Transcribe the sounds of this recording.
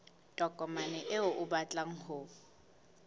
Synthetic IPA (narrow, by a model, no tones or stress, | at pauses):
tʼɔkʼɔmanɛʔɪʊʔʊbat͡ɬʼaŋ̩hʊ